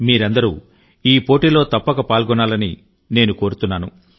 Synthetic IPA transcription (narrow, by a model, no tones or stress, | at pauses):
miːɾɐnd̪ɐɾuː | iːpo̞ːʈiːlo̞ːt̪ɐpːɐkɐpaːlɡɔnaːlɐni | ne̞ːnuko̞ːɾut̪unːaːnu